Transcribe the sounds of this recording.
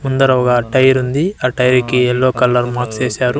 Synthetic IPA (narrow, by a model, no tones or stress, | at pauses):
mund̪ɐɾɐɔɡɐʈɐjɐɾund̪iɐʈɐjɐɾikiɛlːoːkɐlːɐɾmaːkst͡ʃeːsaːɾu